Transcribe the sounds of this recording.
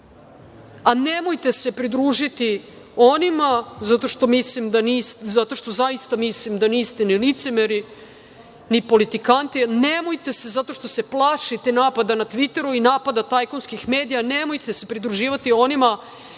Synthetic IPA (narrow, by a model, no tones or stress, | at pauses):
anemo̞jt̪ese̞pɾid̪ɾuːʒit̪i | onimazat̪o̞ʃt̪o̞mislimd̪aniːszat̪o̞ʃt̪o̞zaist̪amislimd̪aniːst̪enilit̪semeɾi | nipo̞lit̪ikant̪inemo̞jt̪e̞se̞zat̪o̞ʃt̪o̞se̞plˠaʃit̪enaːpad̪anat̪ʋit̪e̞ɾuinaːpad̪at̪ajkonskixme̞ːd̪ijanemo̞jt̪ese̞pɾid̪ɾuʒiːʋat̪io̞nima